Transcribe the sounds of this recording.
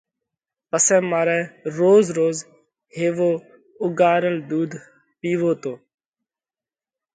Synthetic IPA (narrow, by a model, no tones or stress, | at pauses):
pəsɛ̃ːmaːɾɛːɾoːzɾoːz | heːʋoː | ʊɡaːɾəld̪uːd̪ | piːʋoːt̪oː